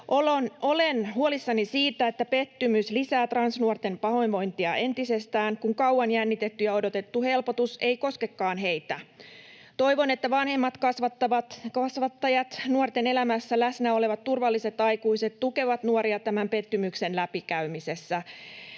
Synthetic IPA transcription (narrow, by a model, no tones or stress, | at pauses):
ʔolono̞lenhuolisːɑnisiːt̪æet̪ːæpe̞t̪ːymyslisæːt̪rɑnsnuort̪e̞mpɑho̞inʋo̞jnt̪iɑe̞nt̪ise̞st̪æːŋkuŋkɑwɑnjænːit̪e̞t̪ːyjɑo̞do̞t̪e̞t̪ːuhe̞lpo̞t̪use̞iko̞skekːɑːnɦe̞jt̪æ | t̪o̞jʋo̞net̪ːæʋɑnhe̞mːɑt̪kɑsʋɑt̪ːɑʋɑt̪kɑsʋɑt̪ːɑjɑt̪nuort̪e̞ne̞læmæsːælæsnæo̞leʋɑt̪ːurʋɑlːise̞t̪ɑjkuise̞t̪t̪uke̞ʋɑt̪nuoɾiɑt̪æmæmpe̞t̪ːymykse̞nlæpikæymise̞sːæ